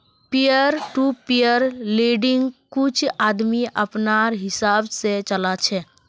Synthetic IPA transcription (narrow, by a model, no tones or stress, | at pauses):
pijəɾʈupijəɾleɖɪ̃ŋɡkʊt͡ʃʰaːd̪miʔəpnaɾɦɪsaːbset͡ʃəlat͡ʃʰɛ